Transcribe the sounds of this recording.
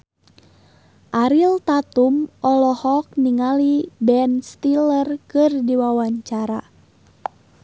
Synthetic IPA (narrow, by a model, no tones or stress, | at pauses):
ʔaɾilt̪at̪umʔɔlɔhɔk̚niŋalibɛnst̪ilərkɨrdiwawaɲt͡ʃaɾa̰